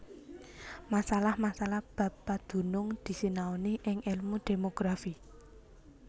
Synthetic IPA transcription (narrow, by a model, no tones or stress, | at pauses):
masalahmasalahb̥a̤ppad̪̥ṳnʊŋd̪̥i̤sinaoniʔɪŋɪlmud̪̥e̤moɡ̥ɾafi